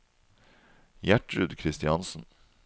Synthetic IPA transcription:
jæʈɾʉd̪kʰɾɪst̪ɪɑnsn̩

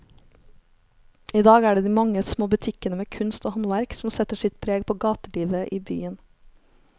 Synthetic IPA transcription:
iːd̪ɑːɡæːɖeːd̪iːmɑŋəsmoːbʉt̪ʰɪkənəmeːkʰʉnst̪oːhɑnʋæɾksm̩sɛt̪əʃɪt̪pʰɾeːɡpʰoːɡɑːt̪əliːʋəʔiːby̰ːən

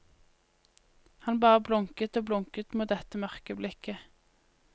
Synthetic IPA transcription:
hɑnbɑːʁəblʊŋkət̪oːblʊŋkət̪muːt̪̚d̪ɛt̪əmœʁkəblɪkə

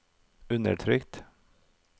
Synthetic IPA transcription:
ʉnə̰ʈʰɾʏkt̪

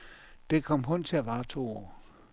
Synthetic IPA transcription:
d̥ekʰɒm̰ɦɔn̰t͡sʰe̝æʋäːt͡sʰo̰

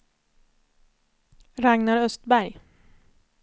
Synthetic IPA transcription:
ɾaŋnaɖœst̪bæɾj

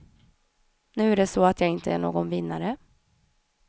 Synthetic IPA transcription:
nʉ̟ːæɖɛsɔat̪ʰjaːɪnt̪ʰəæɳo̰ːɡɔnvɪnːaɾə

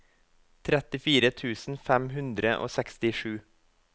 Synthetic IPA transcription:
t̪ʰɾɛt̪ɪfiːɾət̪ʰʉːsn̩fɛmɦʉnd̪ɾəʔo̰ːsɛkst̪ɪʂʉː

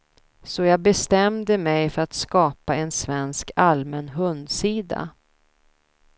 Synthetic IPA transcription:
sɔjɑːɡ̚bɛst̪ɛmd̪əmɛjfœɾat̪skɑːpaɛnsvɛnskalmɛnɦɵnd̪siːd̪a̰

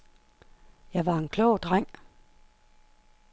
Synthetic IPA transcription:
jɑ̈ɪʋɑ̈e̝nkʰlɔ̰ʊ̰d̥ʁaŋ̰

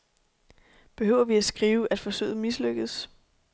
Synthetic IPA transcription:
b̥e̝ɦøʊ̰ɐʋiæsɡ̥ʁiːʊʔæd̥fɒ̽sø̰ːð̩ˠmisløɡ̥ð̩ˠs

